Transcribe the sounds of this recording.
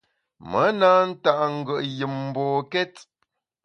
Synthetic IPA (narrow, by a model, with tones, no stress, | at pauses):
mə˨˦naː˦n̩˦ta˦˨ʔŋ̩˦˨ɡə˨ʔjɨ˨mm̩˨bɔː˨kɛ˦t